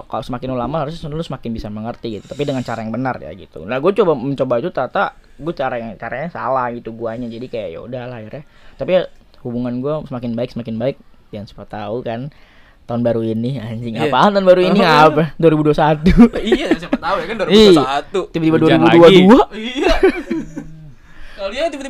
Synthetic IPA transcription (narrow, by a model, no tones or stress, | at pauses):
kalosəmakɪnulamahaɾʊs̬səndnlʊsəmakɪnbisaməŋərt̪iɡit̪ut̪apidəŋant͡ʃaɾajaŋbənarja̰ɡḭt̪ṵnahɡuat͡ʃobaməɲt͡ʃobait̪ut̪at̪a | ɡuat͡ʃaɾaat͡ʃaɾaɲasa̰lahɡit̪uɡuaɲad͡ʒadikajaʔja̰ṵdahlajarja | t̪apihubuŋanɡuasəmakɪnbaɪk̚səmakɪnbaɪk̚ | jaŋsḁpat̪aukan | t̪aʊnbaɾuiniaɲd͡ʒɪŋapaant̪aʊnbaɾuiniapɛduaɾibuduasat̪uijasapt̪aujakanduɾiiat̪tut̪ibat̪ibaduaɾibuduadua | at̪ibat̪i